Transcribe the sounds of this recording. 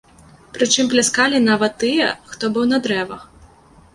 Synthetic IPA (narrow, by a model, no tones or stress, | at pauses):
pɾɨt͡ʂɨmplʲaskalʲin̪avɐt̪ːɨjɛ̰xt̪ɔbɨwnɐd̪ɾɛvɐx